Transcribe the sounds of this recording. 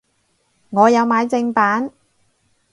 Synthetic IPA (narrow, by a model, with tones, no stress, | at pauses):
ŋɔː˨˧jɐ˨˧wmaː˨˧jt͡sɪ˧ŋpaː˨˥n